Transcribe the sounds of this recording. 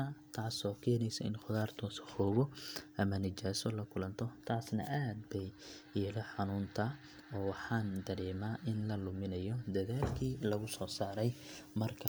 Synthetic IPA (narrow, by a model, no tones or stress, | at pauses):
ɐt̪ʰaːsɔːkʰɛːnɛjsɐɪ̰nχʊðaːrt̪ʰɔːsɐ̥hɔːβɔʔɐmɐnɪt͡ʃaːsɔlɐkʰʊlɐnt̪ʰɔt̪ʰaːsnɐ̰ʔaːd̪bɛjjɛːlɛħɑnuːnt̪ʰɐ | ɔːwɑħɑːnd̪ɐɾɛːmaːʔɪnlɐlʊmɪnɐjɔd̪ɐðaːlkʰiːlɐɣʊsɔːsaːɾɛjmɐrkʰɐ